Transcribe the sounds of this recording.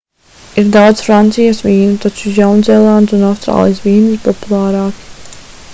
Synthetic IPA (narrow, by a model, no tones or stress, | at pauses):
iɾd̪awd̪zfɾant̪sijasʋiːnut̪at͡ʃuzʲawnzɛlˠand̪sunafst̪ɾa̰ːlˠḭjsviːnispɔpulˠaːɾɑːki̥